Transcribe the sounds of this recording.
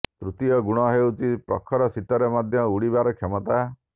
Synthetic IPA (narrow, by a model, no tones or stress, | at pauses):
t̪ɾut̪ijɔɡuɽ̃ɔɦeut͡ʃipɾɔ̰kʰːɔɾɔsit̪ɔɾemad̪ʱjɔuɽibaɾɔkʰemɔt̪a